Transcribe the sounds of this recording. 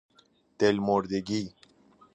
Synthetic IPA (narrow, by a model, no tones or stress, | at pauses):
t̪elmoɾd̪eɡi